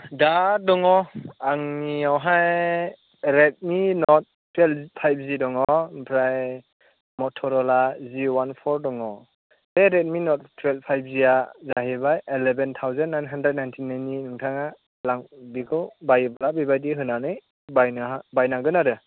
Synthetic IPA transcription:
dadɔŋɔaŋniawɦaj | ɾet̚minɔt̚ | tːwelpʰajp̚zidɔŋɔpʰɾaj | mɔtʰɔɾɔlaziwanpʰɔɾdɔŋɔ | seɾet̚minɔt̚tʰːwelpʰajp̚ziazaɦibajelebentʰawzannːajnɦandɾɛt̚najntʰinːajninɯŋtʰaŋa | laŋbikʰɯwbajbalabibajdiɦɯnanɯj | bajnabajnaɡɯnaɾɯ

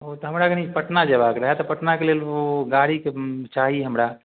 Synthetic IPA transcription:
ɦot̪oɦɐmɾaɡəɽ̃ipəʈnad͡ʒɐbakeɾəɦɛt̪ɔpəʈnakelelʋoɡaːɽiket͡ʃaːɦieɦəmɾa

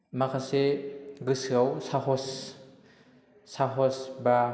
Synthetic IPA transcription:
makʰaseɡɯsɯawsaɦɔs | aɦɔsba

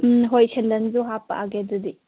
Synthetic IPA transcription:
mɦojsʰendɐnzuɦapːa̰ʔaɡedudi

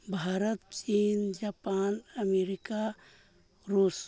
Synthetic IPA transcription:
bʱaːɾət̪t͡ʃiːnd͡ʒaːpaːnəmeːɾɪka | ɾuːs

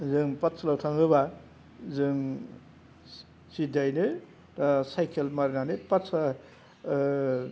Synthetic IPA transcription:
zɯŋpatsʰalawtʰaŋɦɯba | zɯŋ | sidajnɯ | ɾasajkʰelmaɾinanɯpatsʰa

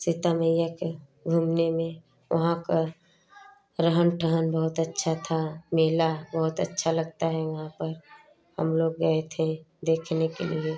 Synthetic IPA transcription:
sɪt̪aməjjake | ɡʱumnemẽ | ʋɐ̰ɦãka | ɾəɦənʈʰəɦənbɐɦʊt̪ətːʃʰat̪ʰameːlabɐɦʊt̪ətːʃʰalɐɡ̚t̪aɦɛʋɐɦãpəɾ | hɐ̰mloːɡːɐet̪ʰẽd̪eːkʰnekḛlie

